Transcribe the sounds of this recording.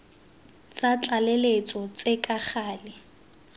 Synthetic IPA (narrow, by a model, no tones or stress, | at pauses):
t͡sat͡ɬʼalelet͡sʼɔt͡sʼekʼak͡xaːlɪ